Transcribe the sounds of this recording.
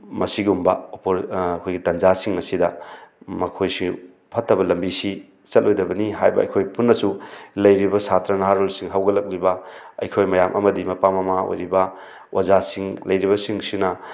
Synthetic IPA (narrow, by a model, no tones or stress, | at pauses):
mɐsiɡumbɐopoɾkʰojɡitɐnd͡ʒasiŋmɐsidɐmɐkʰojsi | pʰɐtːɐbɐlɐmbisi | t͡ʃɐt̚lojdɐbɐniɦajbɐ̰ɐ̰jkʰojpunːɐsulɐjɾibɐsatɾɐnaɦaɾulsiŋɦawɡɐlɐk̚libɐɐ̰jkʰojmɐjamʔɐ̰mɐdimɐpamɐmao̰jɾibɐ | wʔazasiŋlɐjɾiβɐsiŋsinɐ